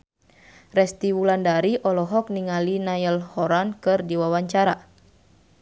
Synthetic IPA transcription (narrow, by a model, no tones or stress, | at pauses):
rɛst̪iwulandaɾiʔɔlɔɦɔk̚niŋalinajəlhɔɾankɨrdiwawaɲt͡ʃaɾa